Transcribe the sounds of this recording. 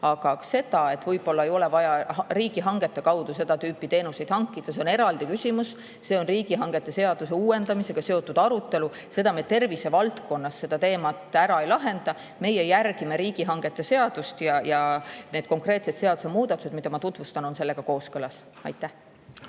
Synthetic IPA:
ɑɡ̥ɑse̞d̪̥ɑe̞t̪vɤjb̥o̞lːɑejo̞le̞vɑjɑriːɡ̥iɦɑŋɡ̥e̞t̪ˑːe̞kɑwd̪̥use̞d̪̥ɑt̪yːpːˑit̪e̞ːnuse̞jd̪hɑŋkːˑid̪̥ɑs̬e̞one̞ɾɑld̪ikysʲimus | se̞o̞nriːɡ̥iɦɑŋɡ̥e̞t̪ːˑe̞se̞ɑd̪̥use̞uːe̞nd̪̥ɑmise̞ɡ̥ɑse̞o̞t̪ːˑud̪̥ɑɾut̪ːˑe̞lu | se̞d̪̥ɑmet̪e̞rvisevɑlt̪ko̞nːɑsːe̞d̪̥ɑt̪e̞ːmɑt̪ːˑæɾɑejlɑɦe̞nd̪̥ɑ | me̞jejærɡ̥ime̞ɾiːɡiɦɑŋɡ̥e̞t̪ˑːe̞se̞ɑd̪̥ust̪jɑjɑne̞ːd̪̥̚ko̞ŋkre̞ːt̪se̞t̪se̞ɑd̪u̥semuːd̪̥ɑt̪ːˑu̥se̞d̪mid̪ɑmɑt̪ut̪vust̪ɑnonse̞lːe̞ɡ̥ɑko̞ːskɤlɑs | ɑ̰jt̪ːˑæh

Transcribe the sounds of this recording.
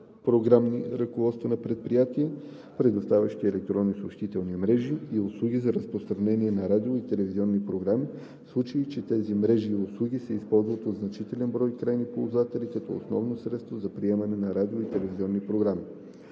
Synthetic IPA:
pɾoɡɾamniɾɐkovɔt̪st̪vɐnɐpɾɛt̪̚pɾijat̪iɛ | pɾɛd̪ʊst̪avʲɐʃt̪iɛlɛk̚t̪ɾɔnːisoʃt̪it̪ɛlˠnimɾɛʒiːʊslˠuɡʲizɐɾəspɾost̪ɾɐnɛniɛnɐɾad̪ioit̪ɛlɛviziɔnːipɾoɡɾami | slˠut͡ʃiit͡ʃɛt̪ɛzimɾɛʒiːʊslˠuɡʲisɛispɔlˠzvət̪od̪znɐt͡ʃit̪ɛlɛnbɾɔjkɾajnipolˠzat̪ɛlikɐt̪ɔo̰snɔ̰vnosɾɛt̪st̪vozɐpɾiɛmɐnɛnɐɾad̪ioit̪ɛlɛviziɔnːipɾoɡɾami

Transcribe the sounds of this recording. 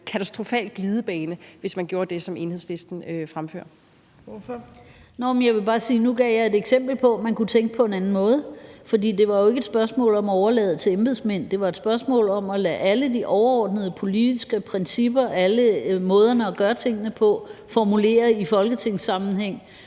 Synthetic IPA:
kʰæt͡sʰæsd̥ʁo̝fɛ̰ːlɡ̥liːð̞ˠəb̥ɛːnəʋe̝smænɡ̥jo̝ːɐd̥e̝sɒ̽me̝nheð̰ˠsle̝sd̥n̩øfʁamfø̰ːɐ | nɒmenjɑ̈ɪʋe̝b̥ɑ̈ːsiːnuɡ̥ɛjɑ̈e̝deɡ̥sem̰b̥l̩pʰɒ̽mænkʰut͡sʰeŋ̰ɡ̥əpʰɒ̽e̝nænn̩mɔ̽ːð̞̩ˠfɒ̽d̥ḭːd̥e̝ʋɑ̈jo̝e̝ɡ̥ed̥sb̥ɶɐsmɔ̰̽ːlɒ̽mæɒʊɐlɛ̰ːð̞̩ˠət͡sʰe̝lemb̥eðˠsmen̰d̥e̝ʋɑ̈ed̥sb̥ɶɐsmɔ̰̽ːlɒ̽mɒlæʔæləd̥iʔɒʊɐɒːd̥nəð̞ˠəpʰo̝lid̥isɡ̥əpʰʁɛnsib̥ɐæləmɔ̽ːð̞ˠɐnəɒɡ̥ɶːɐt͡sʰe̝ŋ̰ənəpʰɒ̽fɒmule̝̰ːɐifɒ̽lɡ̥ət͡sʰe̝ŋ̰sːɑ̈mn̩ɦeŋ̰

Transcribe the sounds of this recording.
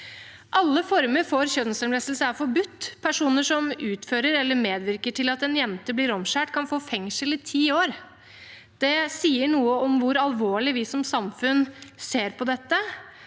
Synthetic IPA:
ʔɑlːəfɔɾməɾfɔɾçœd̪nsəmɾɛst̪lsəæɾfɔɾbʉt̪ːpʰæʂuːnəʂɔmʉːt̪føːɾəɾɛlːəɾmeːd̪ʋɪɾkəʈʰɪlɑt̪ɛnjɛnt̪əblɪːɾɔmʂæːʈkʰɑnfoːfɛŋʂəlɪt̪ʰiːoːɾ | d̪̥ɛsiːəɳuːəɔmʋʊɾɑlʋoːɭɪʋɪsɔmsɑmfʉnseːɾpʰɔd̪ɛt̪ːə

